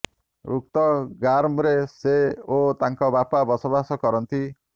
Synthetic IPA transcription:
ɾuk̚t̪ɔɡaɾmɾeseot̪aŋkɔbapabɔsɔbasɔkɔɾɔnt̪i

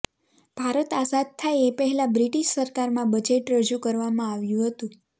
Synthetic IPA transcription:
b̥ʱaɾət̪asad̪̚t̪ʰːajepəɦɛlabɾiʈiʃsəɾkaɾmãbəd͡ʒeʈɾəd͡ʒukəɾʋamãaʋjũɦət̪ũ

